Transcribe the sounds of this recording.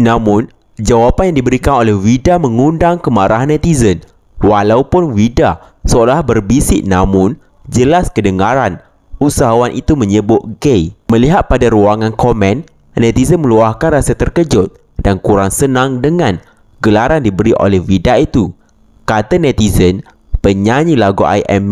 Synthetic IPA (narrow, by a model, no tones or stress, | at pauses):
nãmʊ̃n | d͡ʒawapanjaŋdibəɾikanolɛhwidamə̃ŋundaŋkəmaɾaɦanːɛ̃t̪izən | walaupʊnwida | səolahbərbisɪt̪̚namʊ̃n | d͡ʒəlaskədəŋaɾan | usaɦawanʔit̪umə̃ɲəbʊt̪̚ɡejmə̃liɦat̪̚padaɾuaŋãnkomɛ̃n | nɛ̃t̪izənmə̃luahkanrasat̪ərkəd͡ʒʊt̪̚ | dankuɾaŋsənãŋdəŋãn | ɡəlaɾandibəɾiʔo̰lɛhwidait̪u | kat̪anɛ̃t̪izən | pəɲaɲĩlaɡua̰jʔɛ̰m